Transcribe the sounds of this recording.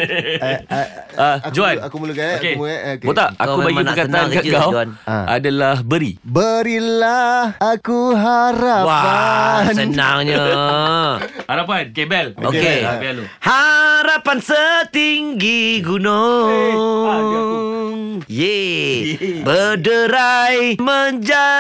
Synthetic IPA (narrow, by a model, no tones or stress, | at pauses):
ad͡ʒuannuokebot̪aʔakubaɡmiəkat̪aankaɡawana̰dalahbəɾibəɾilahakuɦaɾawa | sənãŋɲə | haɾap̬ankebɛlokeapialuhaɾapansət̪iŋɡiɡuno | ŋje | bədəɾajməɲd͡ʒa